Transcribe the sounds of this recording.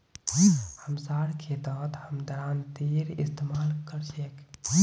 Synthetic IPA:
həmsaɽkʰed̪ɔːt̪həmd̪əɾaːnt̪iɾḭst̪emaːlkəɾsʰek

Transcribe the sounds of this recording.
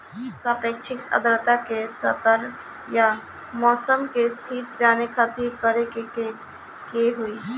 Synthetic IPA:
sapeːkt͡ʃʰɪkə̰d̪ɾt̪akesət̪əɾ | ja | mɔːsəmkest̪ʰit̪d͡ʒaːnekʰət̪iɾkəɾekee | keɦui

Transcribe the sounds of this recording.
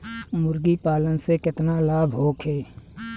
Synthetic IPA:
mʊɾɡipaːlənsekɪt̪nalaːbʱɦoːkʰeː

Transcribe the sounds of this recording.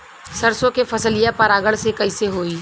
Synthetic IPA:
sɐɾsõkefʰɐsəlijapɐɾaːɡəɭsekɐiseɦoːiː

